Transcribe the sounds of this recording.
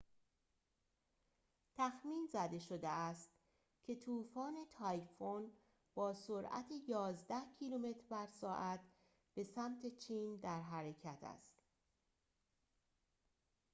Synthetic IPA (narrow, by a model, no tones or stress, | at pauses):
t̪ʰæxmiːnzæd̪e̞ʃod̪eæst̪ | cʰe̞t̪ʰuːfɒːne̞t̪ʰɒjfon | b̥ɒːsoɾʔæ̰t̪ʰe̞jɒːzd̪æhcʰilume̞t̪ʰɾbæɾsɒːʔæt̪ | b̥e̞sæmt̪ʰe̞t͡ʃʰiːnd̪æɾɦæɾe̞cʰæt̪ʰæ̰st̪